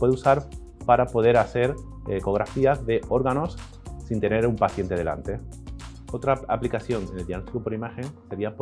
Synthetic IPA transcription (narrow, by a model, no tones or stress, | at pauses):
we̞ðusaɾ | paɾapo̞ð̞e̞ɾaθe̞ɾ | eko̞ɣ̞ɾafiazðe̞ʔo̞ɾɣano̞sː | int̪e̞ne̞ɾumpaθje̞nt̪e̞ð̞e̞la̰nt̪e̞ | o̞t̪ɾaa̰plikaθjo̞neneld̪jaɣnost̪ikopo̞ɾimaxe̞ŋse̞ɾiap